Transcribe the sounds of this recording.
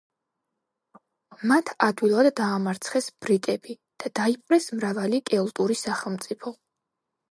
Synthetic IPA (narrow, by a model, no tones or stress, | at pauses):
mat̪ʰad̪wilˠad̪ːaːmaɾt̪sʰχɛsb̥ɾit̪ʼɛbi | d̪̥ad̪aipʼɾɛsmɾavalikʼɛɔlˠt̪ʼuɾisaχɛlˠmt̪sʼipʰɔ